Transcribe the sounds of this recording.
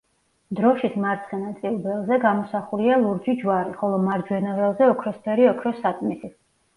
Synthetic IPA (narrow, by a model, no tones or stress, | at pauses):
d̪ɾɔʃismaɾt̪sʰχɛnat̪sʼilˠbɛlˠzɛɡamɔsaχulialˠuɾd͡ʒid͡ʒwaɾiχɔlˠɔmaɾd͡ʒwɛnɔɾɛlˠzɛɔkʰɾɔsp̪ʰɛɾiɔkʰɾɔsat̪ʼmisi